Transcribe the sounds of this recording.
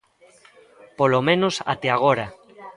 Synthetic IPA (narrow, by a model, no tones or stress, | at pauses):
polomẽnosa̰t̪eaɣ̞oɾa